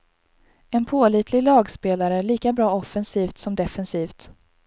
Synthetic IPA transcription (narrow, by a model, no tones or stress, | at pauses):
ɛnpʰoːliːt̪ʰlɪɡlɑːɡspeːlaɾəɭiːkabɾɑːɔfːɛnsiːft̪sɔmd̪ɛfɛnsiːft̪